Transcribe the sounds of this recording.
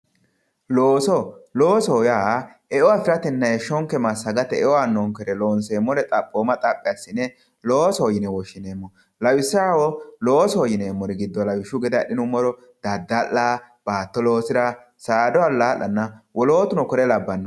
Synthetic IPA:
loːsɔlo̞ːsɔːjaː | ɛʔɔwafɪɾɐt̪ɛnːɐjɛʃɔŋkːɛmɐsːɐɡɐt̪ɛɛʔɔwanːɔŋkɛɾɛloːnseːmːɔɾɛt̪ʼɐpʼːoːmɐt̪ʼɐpʼːɪjɐsːɪnːɛ | loːsɔːjɪnɛwɔʃːɪneːmːɔ | lɐwɪsːaːwɔloːsɔːjɪneːmːɔɾɛɡɪd̪ːɔlɐwɪʃʊɡɛd̪ɛɗɪnʊmːɔɾɔ | d̪̥ɐd̪ːɐlːaː | b̥aːt̪ːɔlo̞ːsɪɾɐ | saːd̪ɔwalaːlːɐnːɐwɔlo̞ːt̪ʊnɔkɔɾɛlɐbːɐnːɐ

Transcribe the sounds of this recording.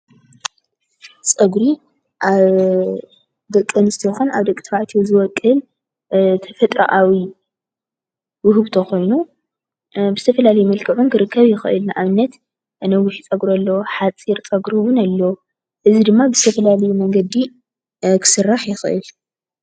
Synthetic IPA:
t͡sʼɐɡɾi | ʔaβ | d̪ɐkʼːɨnɨst̪ʰɐjxunaβd̪ɐkʼt̪ʰbaʕt̪ʰizɨwɔkʼːɨl | t̪ʰɐfɐt̪ʼɾɐ̰ʔawi | wʊɦɨβt̪ʰɐxo̞jnu | bɨz̥ɨt̪ʰɐfɐlalɐjumɐlkʰɐʕunkɨɾɨkʰːɐβjɪxɨʔɨ̰lnaʔaβɨnːɐt̪ | nɐwʊħit͡sʼɐɡɾolːɐwoħat͡sʼiɾt͡sʼɐɡɾiwʊnalːɐwo | ʔɨzid̪ɨmːabɨzɨt̪ʰɐfɐlalɐjumɐŋɡɐd̪i | kʰɨ̥sɨrːaħjɪxʔɨ̰l

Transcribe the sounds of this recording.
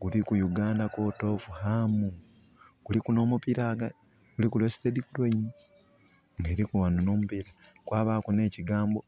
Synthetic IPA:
ɡulikujuɡaːndakoːto̞ːfuhamuɡ̥ulikuno̞ːmupiɾaɡa | ɡ̥ulikulwesi̥tedikulweimi | ŋɡe̞ːɾikuwanono̞ːmupiɾakwaːβaːkune̞ːciɡaːmbo

